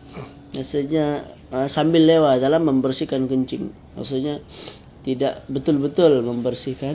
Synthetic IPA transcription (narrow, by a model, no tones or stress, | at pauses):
bjasuɲa | əsambɪlːewadalamːəmbərsikankəɲt͡ʃɪŋ | ma̰ksut̪̚ɲa | t̪idaʔbət̪ʊlbət̪ʊlməmbərsika